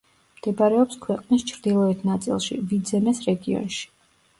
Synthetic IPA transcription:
md̪̥ɛbaɾɛɔpskʰwɛqʼnist͡ʃʰɾd̪ilˠɔɛt̪ʰnat̪sʼḭlˠʃḭvid̪zɛmɛsɾɛɡiɔ̰nʃi̥

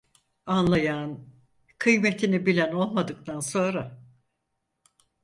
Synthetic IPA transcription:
anlˠajan | kʰɯjmet̪ʰinibilʲæno̞lˠmad̪ɯk̚t̪ʰanso̞nɾa

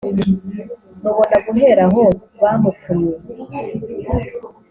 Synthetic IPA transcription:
noβo̞naɡuɦe̞ɾaɦo̞βaːmukʰuje

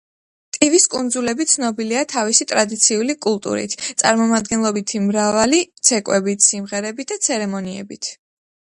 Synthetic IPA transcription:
t̪ʼiviskʼund̪zulɛbit̪sʰnɔbiliat̪ʰavisit̪ʼɾad̪it̪sʰiulikʼulˠt̪ʼṵɾḭt̪ʰt̪sʼa̰ɾmɔmad̪̚ɡɛnlˠɔbit̪ʰimɾavalit̪sʰɛkʼwɛbit̪ʰsimʁɛɾɛbit̪̚d̪̥at̪sʰɛɾɛmɔniɛ̰bit̪ʰ

